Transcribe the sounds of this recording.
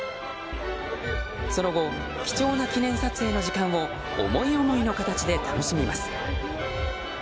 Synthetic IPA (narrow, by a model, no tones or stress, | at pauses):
so̞no̞ɡo̞ | kʲi̥t͡ɕo̞ːnakʲinẽ̞ɰ̃sat͡sɨe̞ːno̞ʑikãɰ̃o̞̰ː | mo̞io̞mo̞ino̞kat̪at͡ɕid̪e̞t̪ano̞ɕimʲimasɨ̥